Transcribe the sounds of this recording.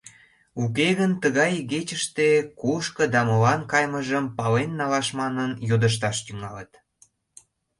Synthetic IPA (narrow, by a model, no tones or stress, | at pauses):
ukeɣənt̪əɣɑjɣet͡ɕəʃt̪ekuʃkəd̪ɑmolɑnkɑjməʒəmpɑlenːɑlɑʃmɑnənjod̪əʃ̬t̪ɑʃt̪yŋɑlət̪